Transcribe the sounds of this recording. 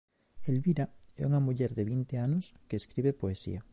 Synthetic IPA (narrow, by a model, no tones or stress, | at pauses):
elβiɾaɛ̰uŋamuʎɛɾðeβint̪eanʊskeːskɾiβepoesḭa